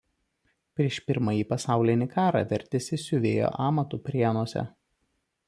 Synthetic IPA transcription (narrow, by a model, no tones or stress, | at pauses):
pʲɾʲiɛʃpʲɪɾmɐjiːpɐsɑˑʊlʲɪnʲɪkʰɑːɾɑ̰ʋʲɛɾʲt̪ʲɪsʲɪsʲʊʋʲḛːjo̰ʔɑːmɐt̪uːpʲɾʲiɛnuɔsʲɛ̰